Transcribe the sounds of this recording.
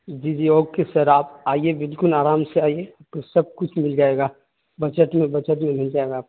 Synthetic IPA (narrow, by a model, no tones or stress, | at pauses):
d͡ʒiːd͡ʒiːoːɡ̚kesɐɾaːpaːiebɪlkʊlaːɾaːmseaːieap̚kosɐb̚kʊt͡ʃʰmɪld͡ʒaːeːɡaː | bɐt͡ʃəʈ̪mẽbɐt͡ʃəʈ̪mẽbʱɐnd͡ʒaːeɡaː